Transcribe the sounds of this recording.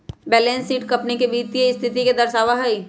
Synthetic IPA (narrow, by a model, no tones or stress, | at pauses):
bɛːlẽːnsiːʈkɐpnikebiːt͡ʃieɪst̪ʰɪt̪iked̪ɐɾsaːʋaɦɐi